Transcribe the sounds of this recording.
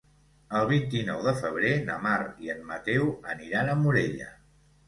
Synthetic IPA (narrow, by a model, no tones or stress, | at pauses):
əlˠβ̞int̪inɔwðəfəβ̞ɾenəmaɾiəmːət̪ɛwəniɾanəmuɾeʎə̰